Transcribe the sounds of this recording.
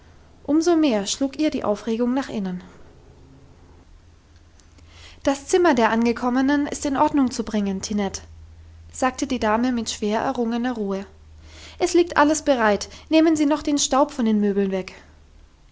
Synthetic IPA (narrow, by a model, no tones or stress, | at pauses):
ʔʊmzomeːɐʃluːkʔiːɐdiːʔa̰ʊfʁeːɡʊŋnaːχʔɪnən | d̥ast͡sɪmɐdeːɐʔanɡəkʰɔmənənɪ̰stɪnʔɔɐdnʊŋt͡subʁɪŋəntʰinɛt | z̥aːk̚tədiːdaːməmɪtʃv̥eːɐʔɛ̰ɐʁʊŋənɐʁuːə | ʔɛsliːk̚tʔa̰ləsb̥əʁaɪtneːmənziːnɔχd̥eːnʃtaʊpfɔndeːnmøːbl̩nvɛk